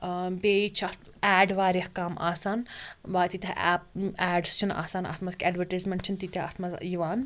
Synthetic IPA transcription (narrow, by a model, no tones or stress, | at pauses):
beːit͡ʃʰɐt̪ | ɛːɖʋaːɾɐhkaːmʔa̰ːsaːnʋaːt̪it̪ʲɐʔɛ̰ːp̚ɛːɖst͡ʃʰina̰ːsaːnɐ̰t̪ʰmɐzkʰʲɛːɖʋɐɾʈajzmeɳʈt͡ʃʰint̪it̪ʲɐɐ̰t̪ʰmɐzjiʋaːn